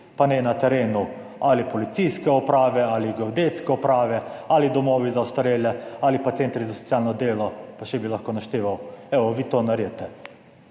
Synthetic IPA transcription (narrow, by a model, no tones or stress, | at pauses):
panɛnat̪ɛɾeːnu | alipɔlit̪sijskɛɔpɾaːʋɛaliɡɛod̪et̪skɛɔpɾaːʋɛalid̪ɔmoːʋizawst̪aɾeːljɛalipat̪seːnt̪ɾizasɔ̥t̪sjaːlnɔd̪eːlɔpaʃɛbilaxkoːnaʃt̪eːʋawɛʋɔʋiːt̪oːnaɾiɛt̪ɛ